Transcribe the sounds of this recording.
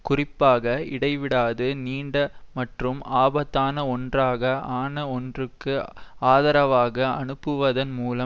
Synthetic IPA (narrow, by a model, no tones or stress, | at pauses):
kʊrɪpːaːɣɐɪɽɐɪʋɪɽaːðɯniːɳɖɐmɐʈrɯmaːbɐt̪ːaːnɐɔndraːɣɐaːnɐɔndrɯkːɯaːðɐɾɐʋaːɣɐɐnɯpːɯʋɐðɐnmuːlɐ